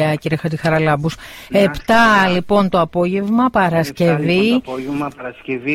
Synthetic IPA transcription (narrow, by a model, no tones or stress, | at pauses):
ɐciɾexɐt̪ixɐɾɐlɐbuse̞pt̪ɐlipo̞nt̪oɐpo̞ʝe̞vmɐpɐɾɐsce̞vimɐɐɾɐscev